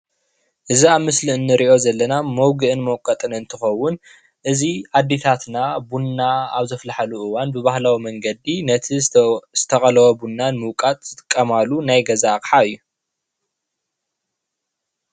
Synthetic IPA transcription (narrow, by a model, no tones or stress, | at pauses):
ʔɨziaβmɨsliɨnːɨɾiʔo̞zɐlːɐnamɐwɡɨʔɨnmɐwkʼːɐt̪ʼɨnɨnt̪ʰɨxɐwːʊn | ʔɨziad̪et̪ʰat̪nabunːaaβzɐflaħaluʔɨwanbɨβahlawimɐŋɡɐd̪inɐt̪ʰiz̥ɨt̪ʰɐkʼɐlɐwobunːanmɨwkʼat̪ʼzɨt̪ʼɨkʼːɐmalunajɡɐzakʼħaɨjːu